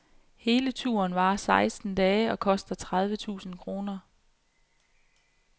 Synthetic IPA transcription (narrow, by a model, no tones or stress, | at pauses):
he̝ːlət͡sʰuɐnʋɑ̈ːsɑ̈ɪsd̥n̩d̥ɛːɒ̽kʰɒ̽sd̥ɐt͡sʰʁað̞ˠʋət͡sʰṵːsn̩kʰʁo̝ːnɐ